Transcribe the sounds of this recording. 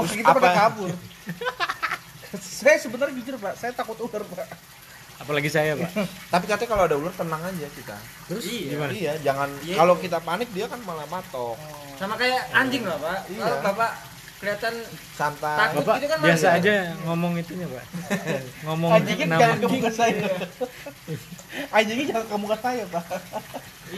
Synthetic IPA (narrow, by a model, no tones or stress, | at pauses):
uskitapadakabʊr | sajasəbənard͡ʒud͡ʒʊrpaʔsajat̪akʊt̪ulərpaʔ | apalaɡisajapa̰t̪ap̬ikat̪ɛkaloadaulʊrt̪ənaŋad͡ʒakit̪a̰ | t̪əɾʊsiɡimanijad͡ʒaŋankalokit̪̬apanɪk̚diakanmalamat̪ɔk | samakajaaɲd͡ʒɪŋlapaʔijaapapaʔ | kəliat̪an | sant̪aaait̪ukanmiasaːd͡ʒaŋomɔŋit̪uɲapa̰ | ŋomɔŋad͡ʒiɡinaaŋand͡ʒuiŋasaja | ad͡ʒiŋid͡ʒaŋankəmukansajapa